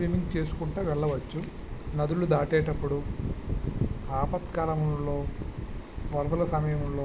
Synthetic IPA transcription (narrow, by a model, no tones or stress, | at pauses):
ɾimiŋɡt͡ʃe̞ːsu̥kuɳʈɐːʋɛɭːɐʋɐt͡ʃːu | nɐd̪ulud̪aːʈɛːʈɐpːuɽu | aːpɐt̪kaːlɐmunloː | ʋɐɾʋɐlɐsɐmɐjɐmunloː